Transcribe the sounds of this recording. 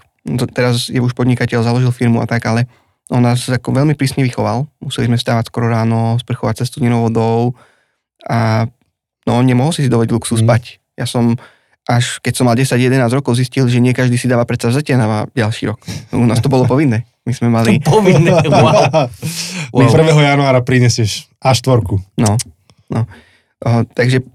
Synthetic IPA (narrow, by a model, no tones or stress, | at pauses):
t̪t̪ɛɾazjɛuʃpɔd̪ɲikacɛʎzalɔʒilfiɾmua̰t̪aɡalɛ | ɔnːaːsːakɔʋɛlmipɾiːsɲɛʋixɔʋalmusɛlizmɛfst̪aːʋacskɔɾɔɾaːnɔspr̩xɔʋacsast̪uɲinɔʊʋɔd̪ɔʊ | ʔa | nɔɲɛmɔɦɔlsisid̪ɔʋɔɟluksus̬pac | ja̰ːsɔm | ʔaʃkɛcsɔmalɟɛsaɟjɛd̪ɛnaːzɾɔkɔʊziscilʒɛɲɪɛkaʒd̪iːsid̪aːʋapɾɛt̪sazacɪanaʋaɟalʃḭːɾɔkṵnaːst̪ɔbɔlɔpɔʋinːɛː | mizmɛmalipɔʋinː | mpr̩ʋɛɦɔjanuaːɾapɾiɲɛsɪɛʃ | aʃt̪ʋɔɾkunɔ | nɔ | t̪aɡʒɛ